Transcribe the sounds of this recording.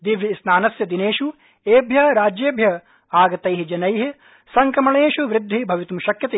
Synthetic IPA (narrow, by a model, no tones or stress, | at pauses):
d̪iʋjɐsnaːnɐsjɐd̪ineːʃu | eːbʱjɐɦɐɾaːd͡ʒjeːbʱjɐɦ | aːɡɐt̪ɐjɦid͡ʒɐnɐjɦi | sɐŋkɾɐmɐɳeːʃuʋɾɪd̪ʱːibʱɐʋit̪umuʃɐkjɐt̪e